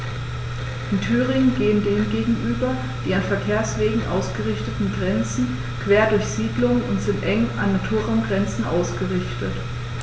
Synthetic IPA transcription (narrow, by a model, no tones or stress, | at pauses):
ʔɪntʰyːʁɪŋənɡeːəndeːnɡeːɡŋ̩ʔyːbɐ | d̥iːanfɛɐkʰeːɐsv̥eːɡŋ̩ʔa̰ʊsɡ̥əʁɪçtətn̩ɡʁɛnt͡sn̩ | kv̥eːɐdʊɐçz̥iːdlʊŋənʊntz̥ɪntʔɛŋʔanːatʰuːɐʁaʊmɡʁɛnt͡sn̩ʔa̰ʊsɡ̥əʁɪçtət